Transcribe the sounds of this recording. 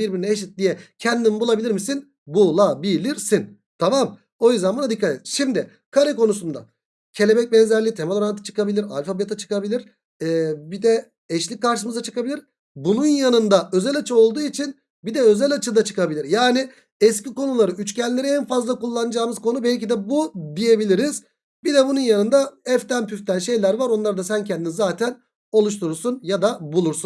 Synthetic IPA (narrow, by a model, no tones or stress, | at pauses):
biɾbiɾinɛeʃ̬it̪̚d̪ijɛcʰɛnd̪inbulˠabilʲiɾmisin | bulˠabilʲiɾsin | t̪ʰamam | o̞jyzd̪ɛnbunad̪ikʰːat̪et̪i̥ʃimd̪ɪ | kʰaɾɯko̞nusund̪a̰ | cʰe̞lʲe̞bɛc̚bɛnzæɾlʲit̪ʰemalˠaɾanat̪ʰt͡ʃʰɯ̥kabilʲiɾa̰lʲfabet̪ʰat͡ʃʰɯ̥kabilʲiɾ̥ | ɛːbid̪ɛ | ɛʃlʲic̚kːaɾʃɯmɯzat͡ʃʰɯ̥kabilʲiɾ̥ | bununjanɯnd̪aʔø̞zɛlʲat͡ʃʰɯo̞lˠd̪uːit͡ʃʰin | bid̪ɛø̞zɛlʲat͡ʃʰɯd̪at͡ʃʰɯ̥kabilʲiɾjaːni | ɛsciko̞nulˠaɾɯyt͡ʃcɛnlʲe̞ɾiɛnfazlˠakulˠːanɯd͡ʒaːmɯz̥kʰo̞nubɛlʲcid̪ɛbud̪ije̞bilʲiɾiz̥ | bid̪ɛbununjanɯnd̪aɛft̪ʰænpʰyft̪ʰænʃe̞jlʲæɾvaɾo̞nlˠaɾd̪asæncʰɛnd̪inizaːt̪ʰæn | o̞lˠuʃ̬t̪ʰuɾuɾsunjad̪abulˠuɾsun